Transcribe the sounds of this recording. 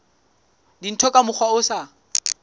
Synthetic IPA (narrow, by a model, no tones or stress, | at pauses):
din̩tʰɔkʼamʊk͡xʰwaʊsa